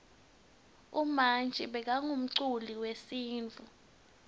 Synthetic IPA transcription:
umant͡ʃʼiɓɛk̬aŋum̩ǀuliwesiːnt͡fʼu

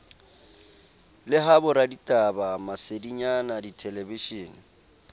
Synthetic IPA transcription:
lɪɦabʊɾaditʼabamasediɲanaditʰɛlɛbiʃiːni

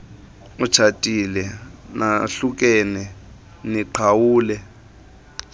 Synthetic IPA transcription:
ut͡ʃʰatʼilɛnaɬuk̬ʼɛnɛ | niǃʰawuːlɛ

